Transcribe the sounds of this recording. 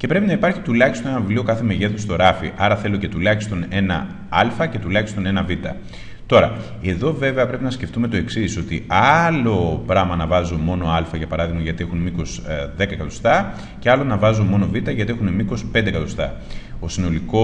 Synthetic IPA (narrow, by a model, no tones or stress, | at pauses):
ce̞pɾe̞pinɐipɐɾçi̥t̪ulɐçist̪onenɐvivlio̞kɐθe̞me̞ʝe̞θust̪o̞ɾɐfḭʔɐɾɐθe̞lo̞ce̞t̪ulɐçi̥st̪o̞ne̞nɐ̰ | ɐlfɐce̞t̪ulɐçist̪o̞nenɐvit̪ɐ̰ | t̪o̞ɾɐ | e̞ðo̞ve̞ve̞ɐpɾe̞pinɐsce̞ft̪ume̞t̪o̞e̞ksiso̞t̪iɐlo̞pɾɐmɐnɐvɐzumo̞no̞ɐlfɐʝɐpɐɾɐðiɣmɐʝɐt̪ie̞xunmiko̞sðe̞kɐkɐt̪o̥st̪ɐ | ceɐlo̞nɐvɐzunmo̞no̞vit̪ɐʝɐt̪iexunemiko̞spe̞nd̪ekɐt̪ost̪ɐ | o̞sino̞liko